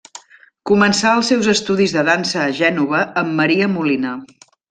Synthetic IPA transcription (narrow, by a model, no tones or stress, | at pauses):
kumənsaəlˠsɛwzəst̪uðizðəðansəːʒɛnuβəːmːəɾiəmulinə